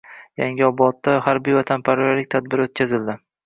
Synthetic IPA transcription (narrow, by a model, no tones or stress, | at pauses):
jaŋʲɪɒbɒt̪ːahaɾbijvat̪ʰanpʰaɾalɪk̚ʲt̪ʰad̪̚bɪɾot̪̚kʲʰazɪld̪ɪ